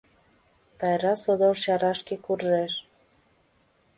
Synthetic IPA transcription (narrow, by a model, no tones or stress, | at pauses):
t̪ɑjɾɑsod̪oʃɑɾɑʃkekurʒeʃ